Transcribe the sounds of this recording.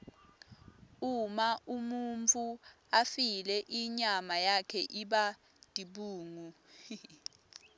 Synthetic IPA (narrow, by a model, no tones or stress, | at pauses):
umaʔumunt͡fʰʼu | afilɛʔiɲamajakʰɛʔiɓa | d̥ʱiɓuːŋu